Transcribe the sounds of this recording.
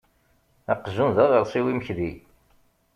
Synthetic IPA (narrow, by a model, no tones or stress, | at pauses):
æqːzunðæðˤəɾˤsˤiwiməçði